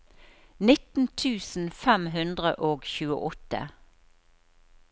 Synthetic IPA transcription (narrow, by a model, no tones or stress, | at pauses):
nɪt̪n̩t̪ʰʉːsn̩fɛmɦʉnd̪ʁəʔoːɡçʉːə̰ʔɔt̪ə̰